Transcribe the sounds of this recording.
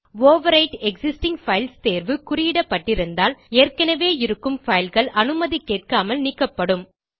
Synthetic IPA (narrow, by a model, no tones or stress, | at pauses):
ʋoːʋɐɾɐɪʈɛksɪsʈɪŋɡfɐɪlst̪eːɾʋɯkʊɾɪjɪɽɐpːɐʈːɪɾɯnd̪aːleːrkɐnɐʋeːɪɾɯkːɯmfɐjɪlɣɐɭɐnɯmɐðikːeːʈ̚kaːmɐlniːkːɐpːɐɽɯm